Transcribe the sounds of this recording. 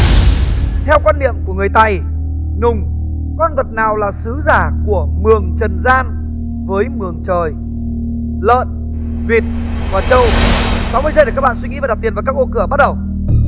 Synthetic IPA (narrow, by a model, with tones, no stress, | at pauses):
t̪ʰɛ˧wkwaː˧nːḭ˧˨əmku˧˩əŋɨ˨˩əjt̪a˧˩j | nʊ˨˩ŋ͡m | kɔ˧nvə˨˩t̚naː˨˩wlaː˨˩sɨ˨˦zaː˧˩ku˧˩əmɨ˨˩əŋt͡ɕə˨˩nzaː˧n | vəː˨˦jmɨ˨˩əŋt͡ɕəː˨˩j | lə̰ː˧˨n | vi˨˩t̚ | vaː˨˩t͡ɕə˧wsɔ˨˦wvəː˨˦jzə˧jɗkaː˦˥k̚ɓaː˧˨si˧ŋi˨˦aː˨˩ɗp̚t̪i˨˩ə˨vːka˦˥kʔo˧kɨ˧˩əɓa˦˥t̚ɗə˨˩w